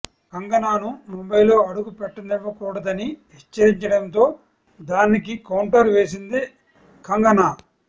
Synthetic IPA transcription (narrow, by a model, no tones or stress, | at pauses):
kɐŋɡɐnaːnumombɐjlo̞ːɐɽuɡupɛʈːɐniʋːɐkuːɽɐd̪ɐniɦɛt͡ʃːɐɾiɲt͡ʃɐɽɐnt̪o̞ː | d̪aːnik̬ikɐwɳʈɐɾʋe̞ːs̬ind̪i | kɐŋɡɐnaː